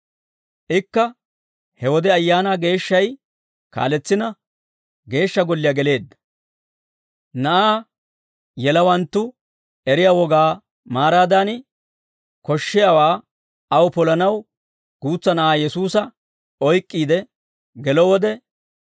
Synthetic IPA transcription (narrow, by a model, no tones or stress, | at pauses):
ʔɪkːɐ | hɛwɔd̪ɛɐjːaːnaːɡe̞ːʃːɐj | ka̰ːlɛt͡sːɪnɐ | ɡe̞ːʃːɐɡɔlːɪjaɡɛle̞ːd̪ːɐ̥ | nɐʔaː | jɛlɐwɐnt̪ːʊ | ɛɾɪjaːwɔɡaː | maːɾaːd̪aːn | kɔʃːɪjɐwaː | ɐwʊpɔlɐnɐw | ɡ̥uːt͡sːɐnɐʔaːjɛsuːsɐ | ɔjkʼːiːd̪ɛ | ɡɛlɔwɔd̪ɛ